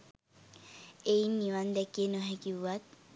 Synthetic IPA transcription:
einːiʋand̪ɛkenoɦɛkiat̪̚

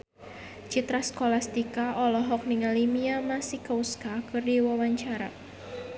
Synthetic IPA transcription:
t͡ʃit̪ɾaskolast̪ikaʔɔlɔɦɔk̚niŋalimiamasɪhkauskakɨrdiwawaɲt͡ʃaɾa̰

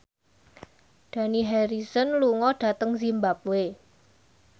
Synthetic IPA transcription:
ɖ̥a̤niɦɛɾisɔnluŋɔɖ̥ä̤t̪əŋzimbap̚we

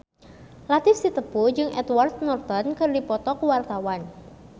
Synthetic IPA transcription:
lat̪ɪfsit̪əpud͡ʒɨŋʔɛ̰t̪wart̪̚nɔrt̪ɔnkɨrdipɔt̪ɔkuwart̪awan

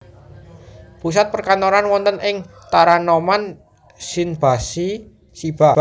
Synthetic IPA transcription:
pus̬at̪̚pərkant̪oɾanwɔnt̪ənʔɪŋ | t̪aɾanoman | sinb̥a̤si | sib̥a

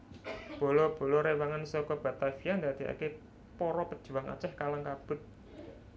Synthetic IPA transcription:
b̥o̤lɔb̥o̤lɔɾewaŋansɔkɔb̥a̤t̪afijand̪a̤d̪̥i̤a̰ke | pɔɾɔpəd̥ʒ̥ṳwaŋa̰t͡ʃɛhkalaŋkab̥ʊ̤t̪̚

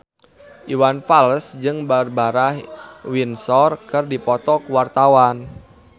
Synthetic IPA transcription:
ʔiwanfalsd͡ʒɨŋbarbaɾahwinsɔrkərdipɔt̪ɔkuwart̪awan

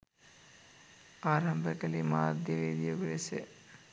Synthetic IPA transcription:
aːɾɐmbʱəkɐlima̰ːd̪jɐʋeːd̪ijɐʋilɐse

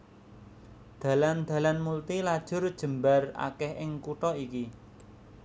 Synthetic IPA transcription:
d̪̥ä̤land̪̥a̤lanmult̪ilad̥ʒ̥ʊ̤rd̥ʒ̥ə̤mbara̰kɛhʔɪŋkuʈɔiki

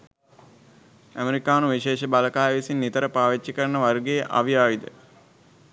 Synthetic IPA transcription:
æmeɾikaːnuʋiʃeːʃəbaləkaːjəʋisinːit̪əɾəpaːʋit͡ʃːikəɾənəʋaɾɡejʔa̰ʋijaːʋid̪ə̰

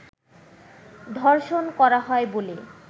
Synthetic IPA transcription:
d̪ʱɔɾʃonkɔɾaɦɔebole

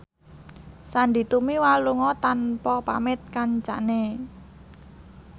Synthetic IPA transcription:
saɳɖi̤t̪umiwaluŋɔt̪anpɔpa̰mɪt̪̚kaɲt͡ʃa̰ʔne

